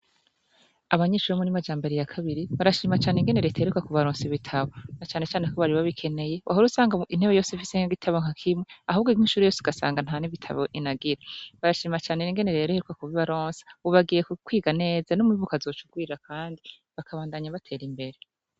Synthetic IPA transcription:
aβaɲeːʃuɾemuɾimad͡ʒaːmbeɾijakʰaβiɾiβaɾaʃiːmat͡ʃaːneŋɡene̞ɾeteeɾukakuβaɾoːnsiβitʰaβonat͡ʃaːnet͡ʃaːne̞koβaɾiβaβikʰe̞ne̞je̞wʔaɦoɾusaːŋɡain̥heβejo̞ːseifiseŋaɡitʰaβoŋ̥akʰimŋe̞aɦuːbɡo̥iːnʃuːɾejo̞ːseɡasa̰ːŋɡan̥haːniβitʰa̰βo̰ʔinaɡiɾaβaɾaʃiːmat͡ʃaːne̞iŋɡe̞ne̞ɾeɾoheɾukakuβiβaɾoːnsi̥uβaɡijeukwiːɡane̞ːzanomuiβukazoːt͡ʃuɡwiːɾakʰaːndi | βakʰaβaːndaɲaβatʰe̞ːɾimbe̞ɾe

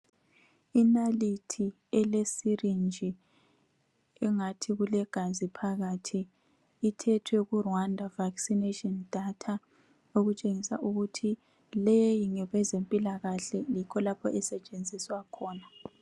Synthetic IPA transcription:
inalitʰi | ɛlesirind͡ʒʱi | ɛŋatʰiɣulɛɡ̥ʱazipʰaɣatʰiː | tʰɛtʰwɛɣurwandʱavaksinetʼɔnd̥ʱatʰa | oɣut͡ʃʼeŋisa̰ʔuɣutʰi | lejjiŋɛɣwɛzempʼilaɣaɬɛlikʰɔlapʰɔʔɛsɛt͡ʃʼend͡zʱiswakʰɔːna

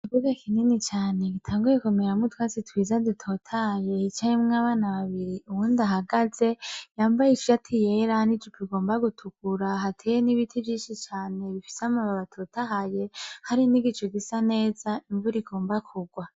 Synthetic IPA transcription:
ivuɡakininit͡ʃaːne̞ɡitʰaːŋɡuje̞kumeɾamutwaːt͡sitwiːzadutʰotʰahaje̞it͡ʃajemŋaβaːnaβaβiɾiuwuːndaɦaɡaze̞jaːmbajit͡ʃijatʰijeɾahanid͡ʒipiɡo̞ːmbaɡutʰukuɾaɦatʰejeniβitʰivjiːnʃit͡ʃaːne̞βifi̥samaβaβatʰoːtaɦaje̞haɾiniɡit͡ʃoɡisane̞ːzaiɱvuɾiɡo̞ːmbakʰuɡwa

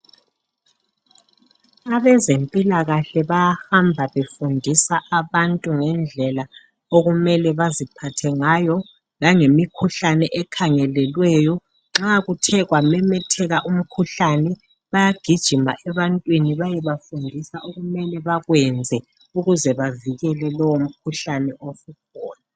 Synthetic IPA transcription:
aβɛzempʼilaɣaɬɛβajahambʱaβefundʱisaʔaβantʼuŋɛnd͡ɮʱɛla | oɣumɛlɛβazipʰatʰɛŋaːjɔ | ŋlaŋemikʰuɬanɛʔɛkʰaŋɛlɛlwɛjɔ | ŋ͡ǁaɣutʰɛɣwamɛmɛtʰɛɣaʔum̩kʰuɬanɛ | βajaɡ̥ʱid̥ʒ̥ʱima̰ʔɛβantʼwiniβajɛβafundʱisaʔoɣumɛlɛβaɣwɛnd͡zʱɛ | uɣuzɛβaviɣɛlɛlɔwom̩kʰuɬanɛʔofukʰɔːna

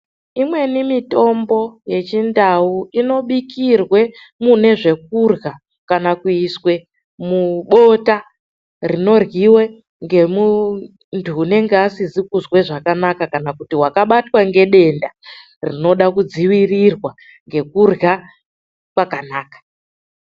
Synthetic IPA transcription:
imwe̞nimito̞mbo̞je̞t͡ʃindauino̞ɓikirwe̞ | mune̞ʐe̞k̚urɣa | kanakuiswe̞ | muɓo̞ta | rino̞rɣiwe̞ | ŋɡe̞mu | ntʰuːne̞ŋɡeasizikuzwe̞ʐakanakakanakutiwakaɓatwaŋɡe̞ɗe̞nda | rino̞ɗakud͡ziwirirwa | ŋɡe̞kurɣa | kwakanaːkḁ

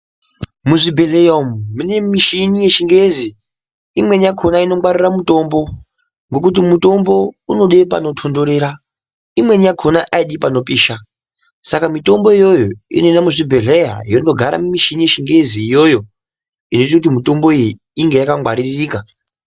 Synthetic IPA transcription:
muʐibʱe̞ɮe̞jamune̞miʃinije̞ʃiŋɡezi | imwe̞nijakʰonaino̞ŋwaɾiramuto̞mbo̞ | ŋɡo̞k̬ut̬imuto̞mbo̞uno̞ɗep̬a̰no̞tʰondo̞ɾe̞ːɾa | imwe̞nijakʰonaʔaiɗipano̞piːʃa | sakamito̞mbo̞ijo̞jo̞ḭno̞inamuʐibʱe̞ɮeja̰jondo̞ɡʱaɾa̰mumiʃinije̞ʃiŋɡe̞ziːjo̞jo | ino̞itakutimito̞mbo̞iji | iŋɡe̞jakaŋɡwaɾiririːka

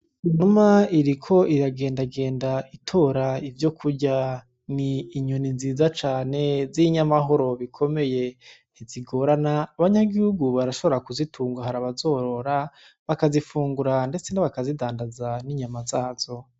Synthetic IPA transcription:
inumaiɾikʰo̞iɾaɡe̞ːndaɡe̞ːndaitʰo̞ɾaivjo̞kʰuɾɟa | niːɲuninziːzat͡ʃaːne̞ziɲamaɦo̞ɾo̞βikʰo̞me̞je̞ | iziɡo̞ɾanaːβaɲaɡihuɡuβaɾaʃoβo̞ɾakuzitʰuːŋɡaɦaɾaβazo̞ɾo̞ɾa | βakazifuːŋɡuɾande̞t͡se̞naβakazidaːndazaniɲamazaːz̥o̞

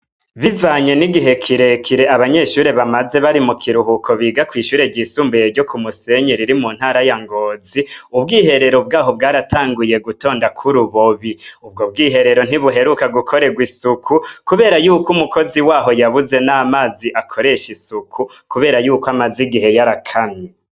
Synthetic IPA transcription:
βivaːɲeniɡiɦe̞kʰiɾe̞kʰiɾeʔaβaɲe̞ʃuːɾe̞βamaze̞βaɾimukʰiɾuhukʰo̞βiːɡakwiːʃuːɾe̞ɾɟisuːmbejeɾɟo̞kʰumuse̞ɲeɾiɾimunhaːɾajaŋɡo̞ːziubɡiːhe̞ɾe̞ɾo̞b̚ɡaːɦo̞b̚ɡaːɾatʰaːŋɡuje̞ɡuto̞ːndakʰuɾuβoβiub̚ɡobɡiːɦe̞ɾe̞ɾo̞n̥iβuɦe̞ɾukaɡukʰo̞ɾe̞ɡwisukʰukuβe̞ːɾajuːkumuko̞ziwaːɦo̞jaβuze̞namaːziʔakʰo̞ɾe̞ʃisukʰu | kuβe̞ːɾajuːkoamaziɡiɦe̞jaɾakʰamɲe

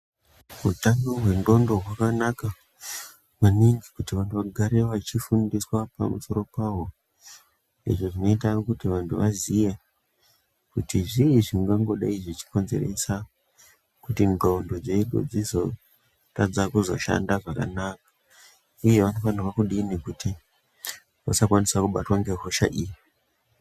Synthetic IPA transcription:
utaŋɡoɦwe̞ndo̞ndo̞ɦwakanaka | ʋaniŋɡikutiʋantʰuʋaɡʱaɾeʋat͡ʃifundiswapa̰muso̞ɾo̞paʋo̞ | ḭʐoʐino̞itaokutiʋantʰuʋazije | kutiʐiʐiŋɡaŋɡo̞ɗaiʐit͡ʃi̥ko̞nze̞̰re̞sa | kutiŋɡaundod͡zeiɗo̰d͡zizo̞ | tad͡zakuzo̞ʃa̰ndaʐaka̰nakḁ | ije̞ʋanofaniwakuɗiːnekuti | ʋasakwanisakuɓatwaŋɡe̞ɦoʃa̰ʔiːji

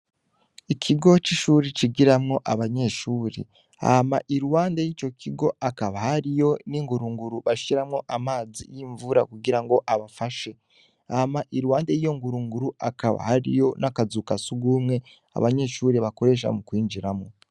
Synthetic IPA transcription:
icʰiɡo̞t͡ʃiʃuːɾet͡ʃiɡiɾamŋo̞ʔaβaɲe̞ʃuːɾḛ | a̰hamaʔiɾuwaːndejiːt͡ʃo̞kʰiɡo̞akaβahaɾijo̞niŋɡuɾuŋɡuɾuβaʃʃiɾamŋo̞ʔamaːzḭjiːɱvuɾa̰kuɡiɾaŋɡo̞ʔaβafaʃe̞ | ahamaʔiɾuwaːndejijo̞ŋɡuɾuŋɡuɾuakaβa̰haɾḭjo̞nakazukasuɡuːmŋe̞ | a̰βaɲe̞ʃuːɾeβako̞ɾe̞ʃ̬a̰mukwiːnd͡ʒiɾamo

